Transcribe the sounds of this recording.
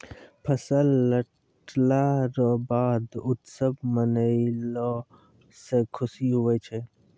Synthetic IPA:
pʰəsəlːəʈ | laɾɔbaːd̪ʊt̪səbmənəɪlɔ | sekʰʊsiɦuɛt͡ʃʰɛ

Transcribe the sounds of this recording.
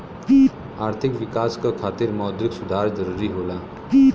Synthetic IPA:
i | aɾt̪ʰikʋikaskokʰaːt̪iɾmɔd̪ɾiksud̪ʱaɾd͡ʒəɾuɾiɦola | i

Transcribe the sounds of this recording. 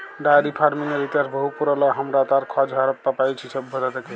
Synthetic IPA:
ɖaɾipʰaɾmineɾit̪aɾbəɦupuɾələɦəmɾat̪aɾkʰɔd͡ʒʱɦaɾəp̪papajt͡ʃʰisəbbʱəd͡ʒat̪eke

